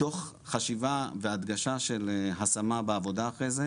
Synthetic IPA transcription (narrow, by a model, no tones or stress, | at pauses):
to̞χ | χaʃivavead̪ɡaʃaʃelɦasamabeavo̞d̪aːχʁejze